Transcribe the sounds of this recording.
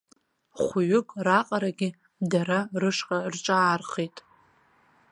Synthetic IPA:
χʷʊɥʏkʼraqʼaɾaɡʲɪ | daɾarɨʂqʼarʈ͡ʂʼaːrχetʼ

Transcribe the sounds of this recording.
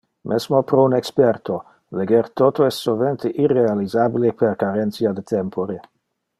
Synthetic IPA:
mʔɛsmopɾounɛkspɛrt̪ʰo | leɡeɾt̪ot̪oɛst̪sːolvent̪eʔirealizabilepeɾkaɾɛnt̪siad̪et̪ʰɛmpʰoɾe

